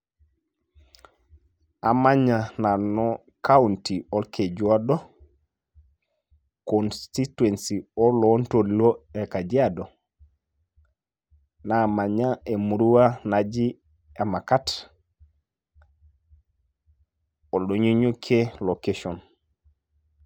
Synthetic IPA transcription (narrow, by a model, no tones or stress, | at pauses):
amaɲananɔ | kawuntiolkʰed͡ʒuado | konstituensiolontoliloekad͡ʒiado | namaɲaemuɾuwanad͡ʒi | emakat | oɗoɲiɲukʰelokeʃɔn